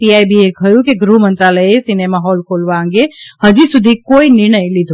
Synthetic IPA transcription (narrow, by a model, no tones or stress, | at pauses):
piajbiekʰəjũkeɡɾumə̃nt̪ɾaləjesinemaɦolkolʋaə̃ŋɡehəd͡ʒisud̪ʱikoinɪɾɳ̃əjlid̪ʱu